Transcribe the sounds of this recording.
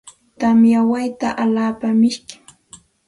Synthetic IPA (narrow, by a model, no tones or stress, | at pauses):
t̪amjawajt̪aʔalaːpamɪʃkɪ̥ŋ